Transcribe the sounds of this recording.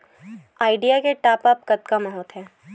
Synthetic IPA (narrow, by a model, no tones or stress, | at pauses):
aːɪɖijakeʈaːpɐpkɐt̪kamɐɦɔːt̪ɦɛː